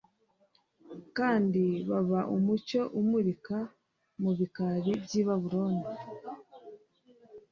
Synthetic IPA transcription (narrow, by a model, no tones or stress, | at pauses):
kaːndiβaβaʔumuco̞ʔumuɾika | muβikaɾibɟiːβaβuɾoːndi